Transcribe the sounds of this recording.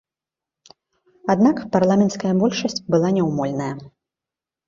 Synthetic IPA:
ad̪nakparlˠamʲɛnt̪skɐjɐbɔlʲʂɐsʲt͡sʲbɨlˠanʲɛwmɔlʲnɐjɐ

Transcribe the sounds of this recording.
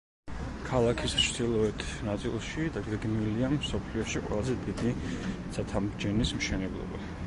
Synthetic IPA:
kʰalˠakʰist͡ʃʰd̪̥ilˠɔɛt̪ʰnat̪sʼilˠʃid̪aɡɛɡniliamsɔpʰliɔʃiqʼwɛ̰lˠazɛd̪id̪i̥ | at̪ʰamd͡ʒɛnismʃɛnɛblˠɔ̰ba̰

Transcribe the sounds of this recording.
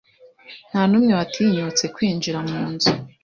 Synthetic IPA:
n̥hanumŋewatʰiɲut͡se̞kwiːnd͡ʒiɾamuːnzu

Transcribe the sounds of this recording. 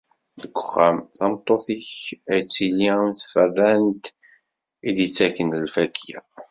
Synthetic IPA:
ðəɡʷəχːæmθɑmt̪ˤːoθiçæjt͡sːiliæmθfərːænt̪ | id̪jət͡sːækːənəlfækʰːjæ̰

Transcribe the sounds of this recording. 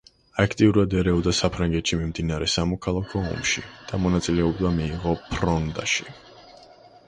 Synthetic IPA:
akʰt̪ʼiuɾad̪ɛɾɛɔd̪asapʰɾaŋɡɛt̪ʃimimd̪inaɾɛsamɔkʰalˠakʰɔɔ̰mʃḭd̪̥amɔnat̪sʼilɛɔbd̪amiːʁɔpʰɾɔnd̪a̰ʃi

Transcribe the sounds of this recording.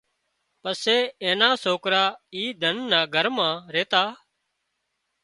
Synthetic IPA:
pəseːẽːnãːsoːkɾaːiːd̪ʱənːãːɡʱəɾmãːɾeːt̪aː

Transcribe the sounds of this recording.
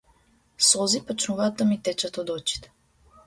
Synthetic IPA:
sɔzipat͡ʃnuvaːt̪ːamit̪ɛt͡ʃat̪ɔd̪ɔt͡ʃi̥t̪ɛ̥

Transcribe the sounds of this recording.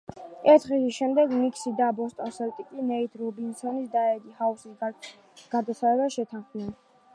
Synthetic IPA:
ɛɾt̪ʰʁiisʃɛmd̪ɛɡmikʰsid̪abɔst̪ʼɔnsɛlt̪ʼikʼinɛit̪ʰɾɔbinsɔnisd̪aɛd̪ihausis | ɡ̥ad̪asaɾɛbaʃɛt̪ʰanχmnɛn

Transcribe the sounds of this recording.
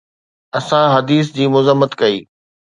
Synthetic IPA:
ɐsãɦɐd̪iːs̬d͡ʑiːmʊzəmːət̪kɐiː

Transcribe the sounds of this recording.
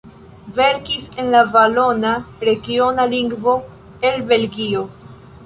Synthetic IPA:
ve̞ɾkise̞nlavalo̞naɾe̞ɡio̞naliŋɡvo̞ | e̞lbe̞lɡio̞

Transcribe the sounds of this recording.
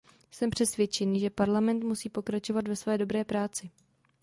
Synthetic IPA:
sɛmpr̝̥ɛsvjɛt͡ʃɛniːʒɛpaɾlamɛnt̪musiːpo̞kɾat͡ʃo̞vat̪vɛsvɛːdo̞bɾɛːpɾaːt͡sɪ

